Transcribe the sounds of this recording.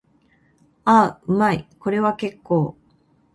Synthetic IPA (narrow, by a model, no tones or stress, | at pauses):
aɯ̟maiko̞ɾe̞βake̞kːo̞ː